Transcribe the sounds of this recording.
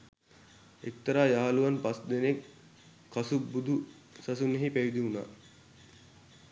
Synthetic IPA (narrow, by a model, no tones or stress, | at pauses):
et̪ːɐɾaːjaɦaluʋanpasd̪eneŋ | kasubːud̪u | sasuneɦipæʋid̪iuna̰ː